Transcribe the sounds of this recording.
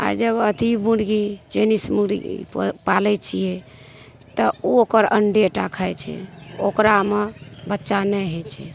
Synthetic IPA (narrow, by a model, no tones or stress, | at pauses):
a̰ɾd͡ʒəbət̪ibuɖɡid͡ʒenismuɾḭpalɛt͡ʃʰijɛ | t̪əookəɾə̰ɳɖeʈakʰajt͡ʃʰɛ̰okɾamebətːʃanɛɦɛt͡ʃʰɛ